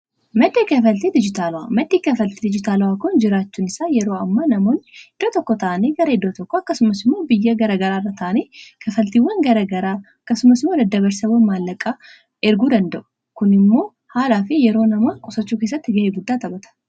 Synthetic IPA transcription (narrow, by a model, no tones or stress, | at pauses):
mɐd̪ːekɐfɐlt̪ed̪ɪd͡ʒɪt̪aːlwamɐd̪ːiːkɐfɐlt̪ed̪ɪd͡ʒɪt̪aːlɐwakʊnd͡ʒɪɾaːt͡ʃːuːnɪsajɛɾo̞ːɐmːaːnɐmo̞ːnɪd̪̥ːoːt̪ɔkːɔt̪ɐʔɐneɡɐɾɐɪd̪ːoːt̪ɔkːoɐkːɐsʊmːɐsɪmːo̞ːbɪjːɐɡɐɾɐɡɐɾaːrːat̪ʰɐʔɐneːkʰɐfɐlt̪iwɐnɡɐɾɐɡɐɾaːɐkːɐsʊmɐsɪmːoːd̪ɐd̪ːɐβɐɾsɐwɐnmaːlːɐkʼːaː | ʔɛɾɡuːd̪ɐnd̪ɐʔʊ̥ | kʊnɪmːo̞ː | haːlaːfɪjɛɾo̞ːnɐmakʼʊsɐt͡ʃːuːke̞ːs̬ːɐt̪ːɪɡɐheːɡʊd̪ːaːt̪ʼɐbɐt̪ɐ̥